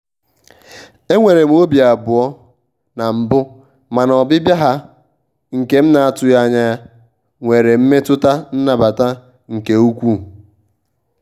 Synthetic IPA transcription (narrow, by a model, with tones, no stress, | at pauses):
e˦ŋʷe˨ɾe˨m̩˦o˦bja˨bʊ˨ɔ˦ | na˨m̩˨bʊ˦ | ma˨nɔ˨bɪ˦bja˦ɦa˦ | ŋ̩˨ke˨m̩˦na˨a˨tʊ˦ja˦˨ɲa˦ja˦ | ŋʷe˨ɾe˨m̩˦me˦tʊ˦ta˦n̩˦na˨ba˨ta˦ | ŋ̩˨ke˨u˦kʷu˦